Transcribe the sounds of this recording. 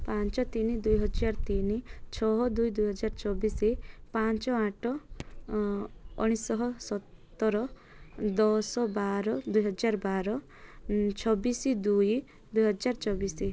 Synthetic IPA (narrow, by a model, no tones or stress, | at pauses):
pãnt͡ʃɔt̪inid̪ujɦɔd͡ʒaɾɔt̪init͡ʃʰɔɦɔd̪ujd̪ujɦɔd͡ʒaɾt͡ʃɔbisipant͡ʃɔaʈɔ | ɔɽ̃isɔɦɔsɔt̪ːɔɾɔ | d̪ɔsɔbaɾɔd̪ujɦɔd͡ʒaɾɔbaɾɔ | t͡ʃʰɔbisid̪uj | d̪ujɦɔd͡ʒaɾt͡ʃɔbisi